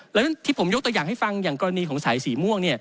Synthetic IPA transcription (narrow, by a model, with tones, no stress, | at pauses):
lɛː˦˥wna˥nt̪ʰiː˥˩pʰo˩˦mjo˦˥t̪u˧jaː˨˩ŋɦha˥˩jfa˧ŋjaː˨˩ŋkɔː˧a˧niː˧kʰɔː˩˦ŋsaː˩˦jsiː˩mu˥˩əŋni˥˩ɐ